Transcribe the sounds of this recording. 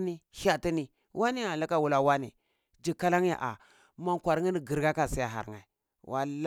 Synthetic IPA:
ni˦ha˦˨ti˦ni˨ | wa˦ni˦a˨la˦ka˦wu˨la˦wa˦nḭ˨ | d͡ʒi˨ka˦la˦ŋ˦ja̰˨ʔa̰˨ | ma˦ŋkʷa˨ɾŋi˦ni˨ɡi˨ɾɡa˦ka˨si˦ja˨ɦa̰˨ɾŋa̰˨ | wa̰˦l

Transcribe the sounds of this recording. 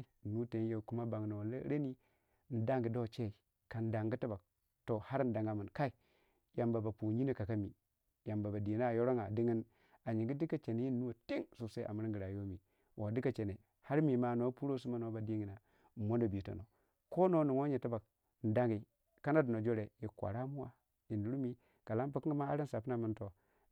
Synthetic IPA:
nu˦te˨˦je˨ku˦ma˦ba˨ŋ˨no˨lɾe˦ni˦ | n̩˨˦da˦ŋɡi˨do˦˨t͡ʃe˦i˨ | ka˨n˦da˨ŋɡi˦ta˦ba˨k̚ | to˨ha˦ɾn˦da˨ŋɡa˨mi˨nka˦i˨ | ja˨mba˨ba˨pu˨ɲi˦ne˨ka˨ka˦mi˨ | ja˨mba˨ba˨di˨na˦˨jo˦ɾo˦ŋa˨di˦ŋi˦n | a˨ɲi˨ŋɡi˦di˦ka˦t͡ʃe˨ne˦jiː˦u˦wo˨ti˦ŋsu˨sa˦ʔa̰˨mi˦ɾɡi˨ɾa˨jo˦mi˨ | wʔa˨˦di˦ka˨t͡ʃe˨ne˨ | ha˦ɾmi˨ma˨no˦pu˦ɾo˦s̬u˦ma˦no˨˦ba˨di˦ŋi˨na˨ | mo˦ndo˨bi˨˦to̰˨no̰˨ | ko˦no˦ni˨ŋo˦ɲe˨ta˦ba˨k̚ | n̩˨da˦ŋɡi˨ | ka˦na˦du˨no˨d͡ʒo˦ɾe˨ji˨kʷa̰˨ɾa˦mu˦wa˨ | ji˨n˦ɾu˦mi˦ | ka˨la˦n˦pa˦ki˦ma˦a˦ɾi˦nsa˨pna˦˨mi˦nto˨

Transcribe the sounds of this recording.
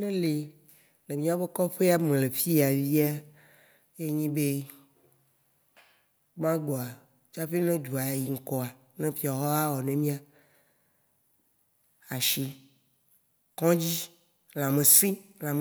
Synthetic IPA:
nẽ˦le˨ | nẽ˨mĩ˦a˦e˦kɔ˦ɸe˦a˦mẽ˨le˨fi˦˨a˨vi˦a˦ | je˦ɲĩ˦be˦ | ɡ͡bã˦ɡ͡bɔ˨a˨ | t͡ʃa˦ɸe˦nẽ˦d͡ʒu˨a˨ji˨ŋ̩˨kɔ˦a˨ | nẽ˦ɸi˦a˨ɦɔ˦a˦wɔ˨nẽ˦mĩ˦a˨ | a˨ʃi˦ | kɔ̃˦d͡ʑi˦ | l̃ã˨mẽ˨sĩ˦lã˨m˨

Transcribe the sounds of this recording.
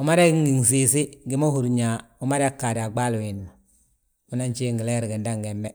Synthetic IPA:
u˨˦ma˦ɾe˦ŋi˨ŋsi˨si˦ɡi˦mo˦hu˨ɾɲa˨u˦ma˦ɾa˦kːa˨di˨a˨ɡ͡ba˦lu˨wi˨nːu˨ | u˦na˦nt͡ʃi˦ŋɡi˨le˦ɾi˨ɡi˨nda˦ŋɡɛ˨mbe˦

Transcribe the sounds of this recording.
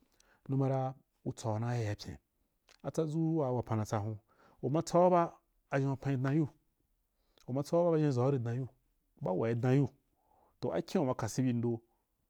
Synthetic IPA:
nu˧˦mã˧ɾa˧ | u˧t͡sa˨wnã˦ja˧˨ja˨pʲḛ̃˨ | a˨t͡sa˦d͡zu˦wa˨wa˨pã˨nã˨t͡sa˧ɦũ˧ | u˨mã˧t͡sa˦o˦baː˦˨ | ʒẽ˧a˧pã˧i˧dnã˧ju˦ | u˨ma˧t͡sa˦a˦ba˦ba˧˦ʒẽ˧˨za˨˦ɾi˧dã˧˦ju˦˨ | ba˦wa˨ji˧dã˧ju˦ | to˨ʔa̰˦kʰʲĩ˦u˨ma˧ka˨si˦bʲi˧n̩˦do˧

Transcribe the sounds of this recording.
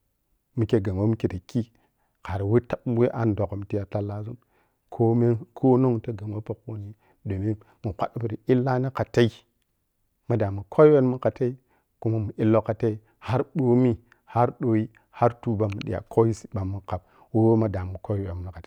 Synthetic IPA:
mu˨ke˦ɡa˨ŋ˨wo˦mu˦ke˨ta˨ki˦ | ka˨ɾa˨we˦ta˦bwe˦ʔa˦n˦do˨ko˨m˨ti˦ja˨ta˦lːa˦zu˦m | kʰo˦me˦kʰo˦no˦ŋ˨ta˦ɡa˨ŋ˨wo˦pa˦ko˦ni˦ | do˨mi˦n | mu˨kʷa̰˦ɗpu˨ɾi˨i˦lːa˦ni˦ka˨ta˦i˦ | ma˨da˨mu˨kʰo˦we˦nmu˦ka˨ta˦i˦ | ku˦ma˦mu˨ʔi˦lːo˦ka˨ta˦i˦ | ha˦ɾɓo˦mi˦ | ha˦ɾɗo˨ji˦ | ha˦ɾtu˦ba˨mu˨ɗḭ˨ja̰˨kʰo˦ji˦si̥˨ɓa˨mːu˦ka˨b̚ | wo˦wma˦da˨mu˨ko˦we˨m˨na˨ka˨ta˨

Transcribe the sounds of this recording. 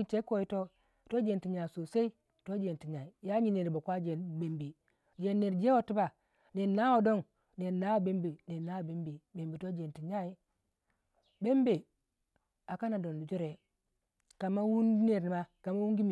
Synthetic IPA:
i˦te˦ko˨i˦to˦ | to˦d͡ʒe˨nti˨ɲa˨so˨se˦i˦ | to˦d͡ʒe˨n˨ti˨ɲa˨i˨ja˦ɲi˨ne˨ɾi˨bo˨kʷa˦d͡ʒe˨be˨mbi˨ | d͡ʒe˨nːe˨ɾd͡ʒe˦wo˦ti˦ba˨ | de˨na˦wo˨do˦n | de˨na˦wo˨be˦mbe˨de˨nːa˦˨be˦mbe˨be˨mbe˨to˦d͡ʒe˨nti˨ɲa˦i˦ | be˦mbe˨ | a˨ka˦na˨do˨ndi˨d͡ʒo˦ɾe˨ | ka˨ma˦wu˦n˦ne˨ɾni˨ma˦ka˨ma˦wu˦ŋɡi˦mi˨

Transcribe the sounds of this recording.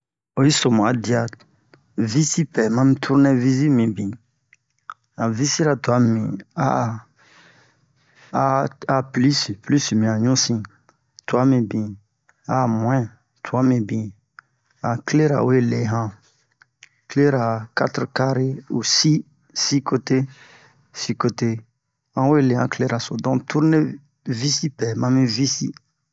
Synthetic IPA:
o˦i˦so˨m̃˨a˨di˦a˨ | vi˦si˦pɛ˨mã˦mĩ˦tʰu˦ɾnɛ̃˦vi˦zi˦mĩ˨bĩ˨ | ã˨vi˦si˦ɾa˨tu˨a˨˦mḭ̃˨a̰˦ | a˨pli˦spli˦smĩ˨a˨ɲũ˦sĩ˦ | tu˨a˦mĩ˨bĩ˨ | a˨˦mwɛ̃˦ | tʰu˨a˦mĩ˨bĩ˨ | ã˨kle˦ɾa̰˨we˦le˨ɦã˦ | kle˦ɾa˨ka˦t̪ɾka˦ɾe˦o̰˨si˦ | si˦ko˦te˦ | si˦ko˦te˦ | ã˦we˦˨le˨hã˨kle˦ɾa˨so˨dɔ̃˦tu˦ɾne˦ | vi˦si˦pɛ˨mã˦mĩ˦vi˦si˦

